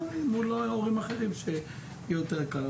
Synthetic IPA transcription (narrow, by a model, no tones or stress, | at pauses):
imulooʁimaχe̞ʁimʃe | jɛjot̪eʁkal